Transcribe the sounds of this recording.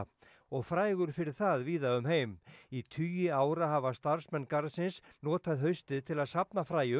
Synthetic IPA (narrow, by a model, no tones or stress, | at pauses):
ɔɣfɾaːjɣʏɾ̥fɪɾɪɾ̥θaðviːðaʏmɦeːjmit̪ʰyːjʏaːwɾaɦavast̪aɾ̥smɛnkaɾsɪnsnɔːt̪aðɦœɥst̪ɪðt̪ʰɪlaðsapnafɾaːjʏ